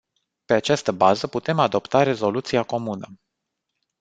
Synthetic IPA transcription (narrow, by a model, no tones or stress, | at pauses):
pe̞at͡ʃast̪əbazəput̪e̞mad̪o̞pt̪aɾe̞zo̞lut̪siako̞munə